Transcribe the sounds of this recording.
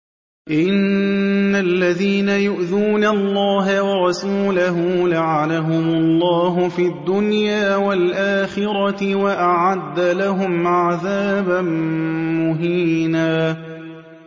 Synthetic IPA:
ʔɪnː | alːaðiːnajʊʔðuːnalːɑːɦawɑɾˤɑsuːlaɦʊlaʕalaɦʊmʊlˤːɑːɦʊfiːad̪ːʊnjaːwalʔaːxɪɾɑɪwaʔaʕad̪ːalaɦʊmʕaðaːbanmʊɦiːnaː

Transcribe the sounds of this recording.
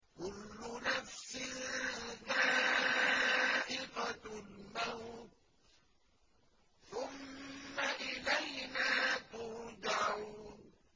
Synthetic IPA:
kʊlːʊnafsɪ | ðaː | ʔɪqalmawt̪̚ | θʊmːaʔɪlajnaːt̪ʊɾd̪ʕun

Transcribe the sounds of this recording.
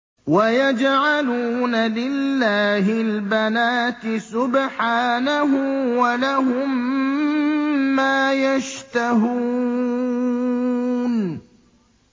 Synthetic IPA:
wajad͡ʒʕaluːnalɪlːaːɦɪlbanaːt̪ɪsʊbħaːnaɦʊwalaɦʊm | aːjaʃt̪aɦuː | n

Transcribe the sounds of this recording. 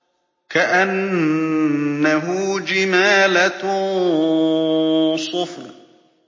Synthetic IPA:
kaʔan | aɦʊd͡ʒɪmaːlat̪ʊ | sˤʊf

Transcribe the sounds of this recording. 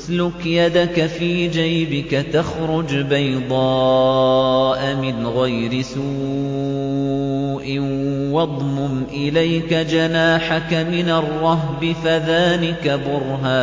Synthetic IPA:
slʊkjad̪akafiːd͡ʒajbɪkat̪axɾʊd͡ʒbajd̪ˤɑː | ʔamɪnɣajɾɪsu | ʔɪwɑd̪ˤmʊmʔɪlajkad͡ʒanaːħakamɪnarˤːɑɦbɪfaðaːnɪkabʊɾɦaː

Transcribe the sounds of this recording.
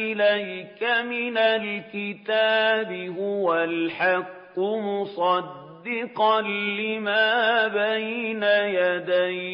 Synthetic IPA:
ɪlajkamɪnalkɪt̪aːbɪhʊwalħɑqːʊmʊsˤɑd̪ːɪqɑlɪmaːbajnajad̪aj

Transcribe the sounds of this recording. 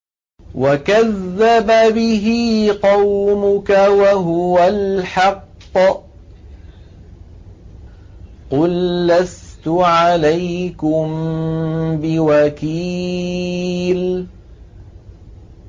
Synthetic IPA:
wakaðːababɪɦiːqɑwmʊkawaɦʊwalħɑqː | qʊlːast̪ʊʕalajkʊm | bɪwakiː | l

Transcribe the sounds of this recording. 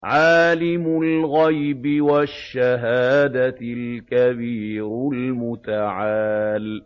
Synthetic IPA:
ʕaːlɪmʊlɣajbɪwaʃːaɦaːd̪alkabiːɾlmʊt̪aʕaːl

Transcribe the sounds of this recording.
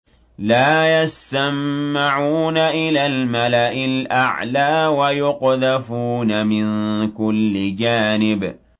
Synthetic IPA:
laːjast̪amːaʕuːnaʔɪlaːlmalaʔɪlʔaʕlaːwajʊqðafuːnamɪnkʊlːɪd͡ʒaːnɪb

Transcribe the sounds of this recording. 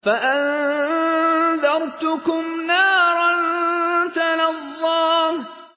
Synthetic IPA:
faʔan | ðɑɾˤt̪ʊkʊmnaːɾˤɑnt̪anɑðˤːɑː

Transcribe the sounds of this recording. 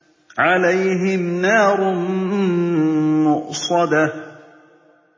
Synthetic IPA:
ʕalajɦɪmnɑːɾˤʊ | mʊʔsˤɑd̪a

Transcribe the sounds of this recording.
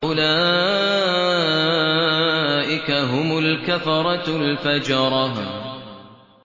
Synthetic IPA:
ʔʊlaː | ʔɪkaɦʊmʊlkafɾˤɑlfad͡ʒɑɾˤɑh

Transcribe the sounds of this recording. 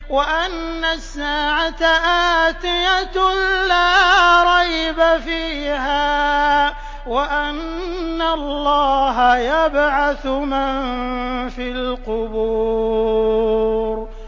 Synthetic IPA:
waʔanːasːaːʕat̪aʔaːt̪ɪjat̪laːɾˤɑjbafiːɦaː | waʔanːallːɑːɦajabʕaθʊmanfiːlqʊbu | ɾ

